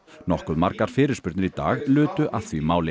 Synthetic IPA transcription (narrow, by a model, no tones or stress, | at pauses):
nɔhkʏðmaɾkaɾ̥fɪːɾɪɾ̥spʏɾt̪nɪɾit̪a̰ːɣlʏːt̪ʏʔaθvimaːwlɪ